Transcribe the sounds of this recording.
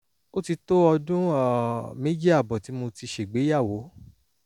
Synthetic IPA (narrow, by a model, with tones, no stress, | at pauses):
o˦ti˧to˦ɔ˧dũ˦ɔ˨me˦d͡ʒi˦a˦˨bɔ˨ti˨˦mo˧ti˧ʃe˨ɡ͡be˨˦ja˦˨wo˨˦